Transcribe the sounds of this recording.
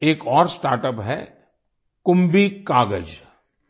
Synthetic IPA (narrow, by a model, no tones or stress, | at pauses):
eːkɔːɾsʈaːɾʈəpɦɛ̰ | kʊ̃mbikaːɡəd͡ʒ